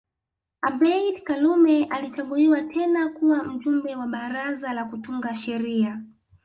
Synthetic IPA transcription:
abɛidkalumɛʔalit͡ʃaɠuliwatʰɛnakuwam̩ʄumbɛwaɓaɾazalakutuŋɡaʃɛɾia

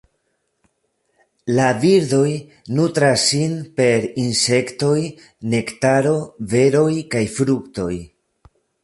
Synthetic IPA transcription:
laviɾd̪o̞jnutɾasːinpe̞ɾinse̞kto̞j | ne̞ktaɾo̞ve̞ɾo̞jkajfɾukto̞j

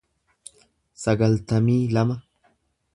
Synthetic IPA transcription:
sɐɡɐlt̪ɐmiːlɐmɐ

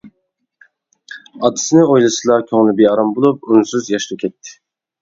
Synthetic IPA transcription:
ad̪ʰɯ̥sɯnɯojlˠasɯlˠaɾcʰoŋlˠubiɾaɾambulˠup̚unsuzjaʃlukʰʲɛt̪ʰːɪ̥

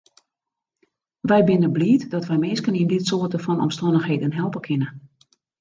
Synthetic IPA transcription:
ʋɛjbɪnəbliːətdɔtʋɛjmɪːskənindɪtsoːtəfɔnɔ̰mstɔndəxɦeːdənɦɛlˠpəkʰɪnə

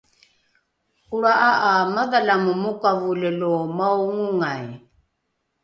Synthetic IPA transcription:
uɾaʔaʔamaðalamumukavulelomawŋuŋaj

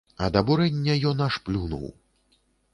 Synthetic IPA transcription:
ɐ̰d̪ɐbuɾɛnʲːɐjɔnɐʂplʲunṵw

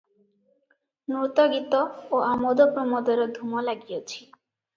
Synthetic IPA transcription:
nut̪ɔɡit̪ɔoʔamod̪opɾɔmɔd̪ɔɾɔd̪ʱumɔlaɡijot͡ʃʰi̥

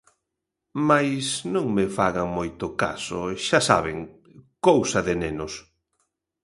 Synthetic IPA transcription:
majsnõŋmɪfaɣaŋmojt̪ʊka̰sʊ̰ʃasa̰βɪŋ | kowsɐðɪnenʊs

